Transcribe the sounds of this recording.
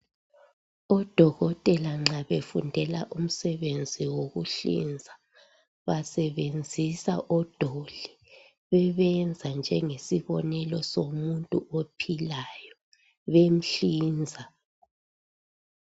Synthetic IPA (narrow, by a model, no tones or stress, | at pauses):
ɔd̥ʱɔɣɔtʼɛlaŋ͡ǁaβefundʱɛla̰ʔum̩sɛβend͡zʱiwoɣuɬḭnd͡zʱa | βasɛβend͡zʱisa̰ʔɔd̥ʱoli | βɛβɛnd͡zʱand͡ʒʱɛŋesiβɔnɛlɔsomuntʼuʔopʰilajɔ | βem̩ɬiːnd͡zʱa